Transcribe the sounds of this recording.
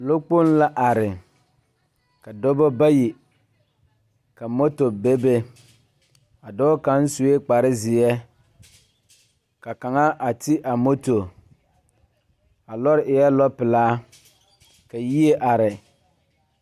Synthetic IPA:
lo˦k͡po˦n˦la˦ʔa˨ɾɪ˨ | ka˨do˦bo˦ba˦ji˨ | ka˨mo˦to˨be˦be˦ | a˨dɔ˦ka˨˦n̩˦su˨e˦k͡pa˨ɾɪ˦zɪ˨ɛ˦ | ka˨ka˨ŋa˦a˨ti˦ʔa˨mo˦to˨ | a˨lɔ˦ɾɪ˨ʔɪ˨jɛ˦lɔ˦pɪ˨laː˦ | ka˨ji˦e˦ʔa˨ɾɪ˨

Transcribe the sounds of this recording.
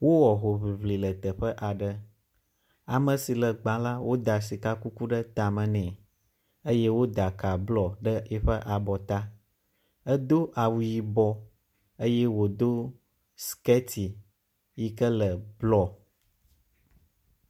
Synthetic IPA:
wo˦wɔ˨ɦo˨βi˨βli˨lə˨t̪ə˨ɸə˦ʔa˨ɖə˦ | a˨mə̃˨si˨lə˨ɡ͡bã˨la˦wo˦d̪a˨s̬i˨ka˦ku˦ku˦ɖə˦t̪a˨mə̃˨nɛ̃˨ | ə˦je˦wo˦d̪a˨ka˨blɔ˨ɖə˦ɛ˦ɸə˦ʔa˨bɔ˨t̪a˦ | ə˦d̪o˦ʔa˨wu˨ji˦bɔ˦ | ə˦jɛ˦wo˨d̪o˦ | ske˦t̪ʰi˨ | ji˦kə˦lə˨blɔ˦˨

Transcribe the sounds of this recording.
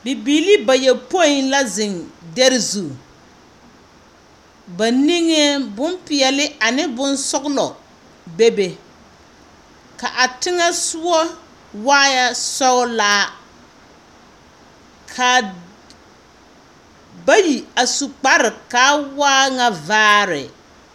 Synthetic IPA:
bɪ˨biː˨li˦ba˨jɛ˨po˦i˨nla˦zɪ˨ŋdɛ˦ɾɪ˦zu˨ | ba˨ni˦ŋe˦bʊ˦mpɪ˨ɛ˨lɪ˦ʔa˨nɪ˦bʊ˦nsʊ˦ɡʊ˦lɔ˨ | be˦be˨ | ka˨ʔa˨tɪ˦ŋa˦sʊ˦ɔ˦ | waː˦ja˦sɔ˦ʊ˦laː˦ | kʰa˨ | ba˦ji˨a˨su˨k͡pa˦ɾɪ˨kaː˦waː˦ŋa˦vaː˦ɾɪ̰˨

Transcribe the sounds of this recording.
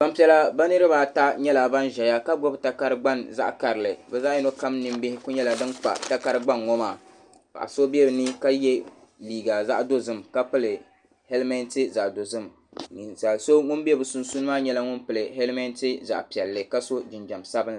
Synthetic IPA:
ba˦mpi˨ɛ˨la˦ba˦nɨ˦ɾɨ˦ba˦ta˦ɲɛ˦la˨ba˦nʒɛ˨ja˦ka˦ɡɔ˦bta˦ka˦ɾɨ˦ɡ͡ba˦nza̰˦ʔka˨ɾɨ˨lɨ˨bɛ˨zaː˦ɛ˦no˦ka˦mnɨ˨mbɪ˦hɪ˦kʊ˦ɲɛ˦la˨dɨ˦nk͡pa̰˨ta˦ka˦ɾɨ˦ɡ͡ba˦nŋɔ˦maː˨ | pa̰˨ʔa̰˨so˦bi˦ɛ˦bɨ˨nɨ˦ka˦jɛ˦ | liː˨ɡa˨za̰˦ʔdo˦zɨ˦˨mka˦pɨ˦lɨ˨ | hɛ˦lmɛ˦ntɨ˦za˨ʔdo˨zɨ˦m | n˨za˨so˦ŋʊ˦nbi˦ɛ˦bɨ˨su˨nsu˦nɨ˦maː˦ɲɛ˦la˦ŋʊ˦npɨ˨lɨ˨hɛ˦lmɛ˦ntɨ˦za̰˨ʔpi˨ɛ˨lːɨ˨ka˦so˦d͡ʒɪ˨nd͡ʒa˨msa˦bɨ˦n

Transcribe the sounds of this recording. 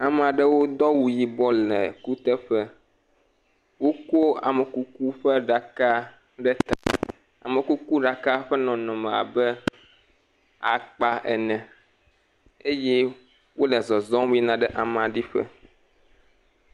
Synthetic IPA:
a˨m̃˨a˨ɖɛ˦wo˦d̪ɔ˦wu˨ji˨bɔ˦lɛ˨ku˦t̪ɛ˦ɸɛ˦ | wo˦ko˦a̰˨mɛ˨ku˦ku˦ɸɛ˦ɖa˨ka˦ | ɖɛ˦t̪a̰˨ | a̰˨mɛ̃˨ku˦ku˦ɖa˨ka˦ɸɛ˦nɔ̃˨nɔ̃˨mɛ̃˨a̰˨bɛ˦ | a̰˨k͡pa˦ʔɛ̰˨nɛ̃˨ | e˦jɛ˦ | wo˦lɛ˨zɔ˨zɔ̃˦wi˦nã˨ɖɛ˦ʔa˨m˨a˨ɖi˦ɸɛ̰˦

